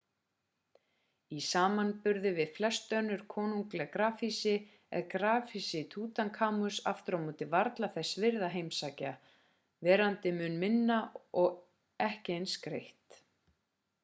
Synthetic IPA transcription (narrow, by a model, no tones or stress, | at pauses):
isaːmanpʏɾðɪvɪðflɛst̪œnːʏɾ̥kʰɔːnuŋklɛɣkɾaːfisɪ | ɛ̰ðkɾaːfisɪt̪ʰuːt̪ankʰaːmʏsa̰ft̪ʏɾamuːt̪ɪvaɾt̪laθɛsːvɪɾðaɦejmsaːca | vɛːɾant̪ɪmʏnmɪnːaɔɣ | ɛhcɪejnskɾejht̪